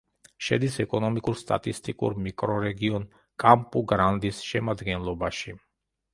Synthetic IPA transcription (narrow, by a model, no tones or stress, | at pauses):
ʃɛ̰d̪isɛkʼɔnɔmikʼuɾst̪ʼa̰t̪ʼist̪ʼikʼṵɾmikʼɾɔɾɛɡiɔn | kʼampʼuɡɾand̪isʃɛmad̪ɡɛnlˠɔbaʃi